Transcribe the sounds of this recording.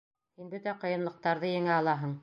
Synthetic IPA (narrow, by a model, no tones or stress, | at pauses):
hinbɵt̪æqɤ̆jɤ̆nlˠɤ̆q̚t̪ɑɾðɤjɘ̆ŋæɑlˠɑɦɤɴ